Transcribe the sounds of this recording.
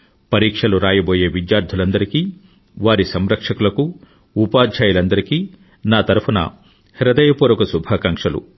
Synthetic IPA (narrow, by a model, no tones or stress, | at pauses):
pɐɾiːkʂɐluɾaːjɐboːje̞ːʋid̪jaːɾd̪ʱulɐnd̪ɐɾikiː | ʋaːɾisɐmɾɐkʂɐkulɐku | upaːd̪ʱd͡ʒaːjulɐnd̪ɐɾikiː | naːt̪ɐɾɐpʰunɐ̰ | hiɾɐd̪ɐjɐpuːɾɐkusubʱaːkɐŋkʂɐlṵ